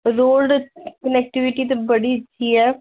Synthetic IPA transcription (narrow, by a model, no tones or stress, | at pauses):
ɾoːlɖkənɛk̚ʈɪʋɪʈit̪̬ebəɽit͡ʃʰːiːɛː